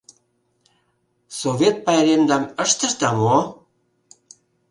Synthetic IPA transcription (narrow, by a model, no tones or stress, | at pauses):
soβet̪̚pɑjɾemd̪ɑməʃt̪ə̆ʃt̪ɑmo